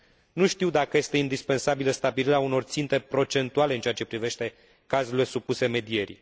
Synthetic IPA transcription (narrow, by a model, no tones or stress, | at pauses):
nuʃt̪iwd̪akəje̞st̪e̞ind̪ispe̞nsabiləst̪abiliɾeauno̞rt̪sint̪e̞pɾo̞t͡ʃe̞nt̪uale̞ɨnt͡ʃeat͡ʃe̞pɾive̞ʃt̪e̞ | kazule̞supuse̞me̞d̪ie̞ɾḭ